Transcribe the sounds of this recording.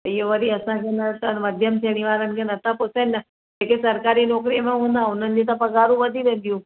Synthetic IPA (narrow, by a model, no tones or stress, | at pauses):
ijoʋəɾiɐsãkʰenɐt̪anməd̪ʱjəmt̪ʰeɽ̃iʋaːɾənɪ̆kʰenɐt̪ʰãpʊsenːa | d͡ʒekesɐɾkaːɾinoːkɾimẽɦũːn̆d̪aʊn̤ənɪ̆d͡ʑet̪ãpɐɡaːɾũʋəd̪ʱiʋẽːn̆d̪jũ